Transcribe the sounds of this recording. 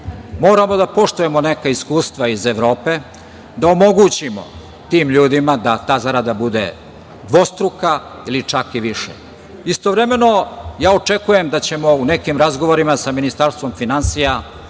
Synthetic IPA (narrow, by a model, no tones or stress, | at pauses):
mo̞ːɾamo̞d̪apo̞ʂt̪uje̞mo̞nekaiskuːst̪ʋaizeʋɾo̞ːpe̞ | d̪aomo̞ɡut͡ɕimo̰ | t̪iːmʎuːd̪imad̪at̪aːzaɾad̪abud̪ḛ | d̪ʋo̞st̪ɾuka | ilit͡ʂakiʋiʃḛ | ist̪oʋɾeme̞no̞jaːot͡ʂe̞kuje̞md̪at͡ɕe̞mo̞une̞kimɾazɡo̞ʋoɾimasaminist̪aɾst̪ʋo̞mfinansija